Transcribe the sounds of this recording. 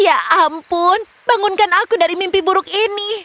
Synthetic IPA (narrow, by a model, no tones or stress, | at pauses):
jaʔampʊn | baŋʊnkanakudaɾimimpibuɾʊk̚ini